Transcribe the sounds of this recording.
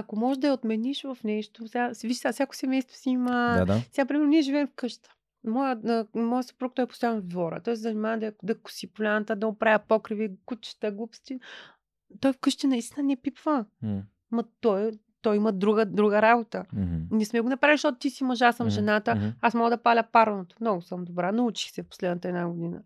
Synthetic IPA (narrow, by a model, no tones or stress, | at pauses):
ɐkomɔʒd̪ɐɛot̪mɛniʃvɐfnɛʃt̪osʲɡasviʃsafsʲakʊ̥sɛmɛjst̪vo̥siiməsɛɡapɾʲimɛɾnoniɛʒivɛːmfkɤʃt̪ə̥ | mɔjəmɔjəso̥pɾuk̚t̪ɔjɛpo̥ʊst̪ʊjanvɐvd̪vɔɾə̰t̪ɔɛszɐnimavd̪ɐɛd̪ɐkʊ̥sipulʲant̪əd̪ɐopɾavʲɐpɔkɾivikut͡ʃi̥ʃt̪ɐɡupst̪ʲi | t̪ɔjfkəʃt̪inɐist̪inənɛpipvə | mɐt̪ɔj | t̪ɔjimɐd̪ɾuɡəd̪ɾuɡəɾabot̪ənɛsmɛɡʊnɐpɾaviliʃt̪ɔt̪t̪isimɐʒasəmʒɛnat̪əasmɔɡəd̪ɐpalʲɐpaɾnot̪o̥mnɔɡʊsəmd̪obɾanɐut͡ʃi̥xsɛfpo̥slɛd̪nət̪əɛd̪naɡʊd̪inə̰